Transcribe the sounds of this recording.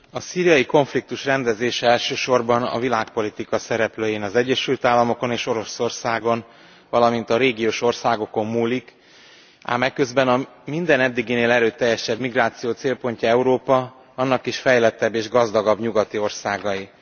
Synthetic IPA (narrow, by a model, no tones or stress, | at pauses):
ɒsiːɾijɒjiko̞ɱflik̚t̪uʃrɛnd̪ɛzeːʃɛɛlʃøːʃo̞rbɒnɒ̰vilaːk̚po̞lit̪ikɒsɛɾɛpløːjeːnɒzɛɟːɛʃylt̪aːlːɒmo̞ko̞neːʃo̞ɾo̞so̞rsaːɡo̞n | vɒlɒmint̪ɒɾeːɡijoːʃo̞rsaːɡo̞ko̞mːuːlik | a̰ːmɛkːø̞zbɛnɒ | mind̪ɛnɛd̪ːiɡineːlɛɾøːt̪ːɛjːɛʃɛbmiɡraːt̪sijoːt̪seːlpo̞ɲcɒɛuɾoːpɒ | ɒnːɒkiʃfɛjlɛt̪ːɛbːeːʒɡɒzd̪ɒɡɒbɲuɡɒt̪io̞rsaːɡɒji